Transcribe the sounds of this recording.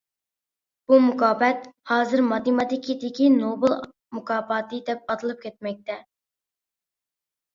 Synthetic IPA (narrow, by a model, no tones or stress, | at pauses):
b̥umukʰɑːpɛt̪̚hɑːzɨɾmɑt̪ɪmɑt̪ɪkʲʰid̪ɪkʲinobɨlˠ | mukʰɑːpɑt̪ɨd̪ɛp̚ɑt̪ʰɨlˠɨp̚kʲʰɛt̪̚mɛk̚ʲt̪ʰɛ